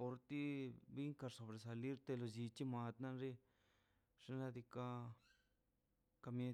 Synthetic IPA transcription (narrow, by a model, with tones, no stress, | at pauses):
po˧ɾt̪i˦βi˦ŋka˧ɾso˧βɾe˨s̬a˨li˦ɾt̪e˧lo˧ʒi˧t͡ʃi˦mã˧t̪nã˦nɾi˦ | ʐ̥e˦nã˧d̪i˧ka˧ | ka˧mẽ˧